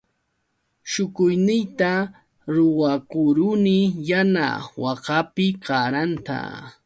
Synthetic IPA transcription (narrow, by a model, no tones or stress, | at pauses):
ʃʊkʊjnɪjt̪a | ɾʊwakʊɾʊnɪjana̰wɑqapɪɢɑɾant̪a̰